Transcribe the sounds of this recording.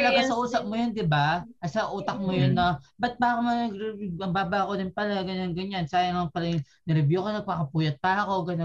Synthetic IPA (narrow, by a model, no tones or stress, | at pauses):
ɐlɐɡasɐʔuːsɐp̚mʊjond̪ɪbaɐsɐʔuːt̪ɐk̚mʊjonːɐbɐt̪̚baːkɐmɐnɐɡɾɐmbaːbɐʔɐkod̪ɪnpɐlaɡɐnonɡɐɲansaːjɐŋɐŋpɐɾɪŋ | nɐɾɪbjukonɐpɐkɐpuːjɐt̪̚pɐɐko̞ɡɐno